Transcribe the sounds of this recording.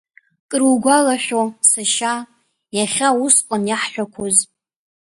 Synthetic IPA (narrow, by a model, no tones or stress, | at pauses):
kʼɨruɡʷalaħʲosaʃa | jaχʲaʊsqʼanjaħħʷᶣakʷʰoz